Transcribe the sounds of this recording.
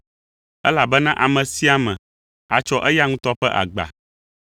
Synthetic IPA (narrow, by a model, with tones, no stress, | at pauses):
ɛ̰˦la˨bɛ˦nã˦ʔa˨mɛ̃˨si˦a˦mɛ̃˨ | a˨t͡ʃɔ˦ʔɛ˦ja˦ŋũ˦t̪ɔ˦ɸɛ˦ʔa̰˨ɡ͡ba̰˨